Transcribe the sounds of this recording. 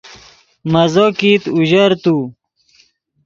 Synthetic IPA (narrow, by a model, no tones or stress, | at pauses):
mɐzokit̪uʑɐɾt̪u